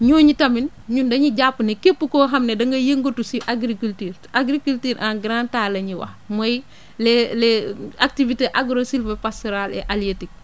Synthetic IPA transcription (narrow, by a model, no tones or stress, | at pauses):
ɲuːɲitɐmin | ɲundɐɲiɟapːunekepːukoːɦɐmnedɐŋɡɐjeŋɡotusiʔaɡɾikultiːɾ | aɡɾikultiːɾʔanɡɾãntaːlɐɲiwɐ̰hmoj | leleak̚tiviteʔaɡɾosilvepastoɾalɛ̰ʔalijetik̚